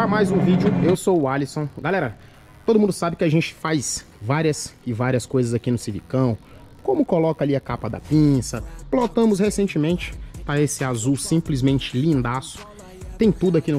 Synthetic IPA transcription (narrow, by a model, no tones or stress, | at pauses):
amajzũvid͡ʒʊewsowalisõɡalɛɾɐ | t̪od̪ʊmũd̪ʊsabɪkɪaʒẽnt͡ʃɪ̥fajz | vaɾiɐsɪvaɾiɐskojzɐzakinʊsivḭkɐ̃w̃ | kõmʊkolɔkɐaliɐkapɐd̪ɐ̰pĩsɐplot̪ɐ̃mʊshesẽnt͡ʃɪmẽnt͡ʃɪ̥pɾɐesɪazuwsĩmplizmẽnt͡ʃɪlĩnd̪asʊ̥ | t̪ẽj̃t̪ud̪ʊakinʊ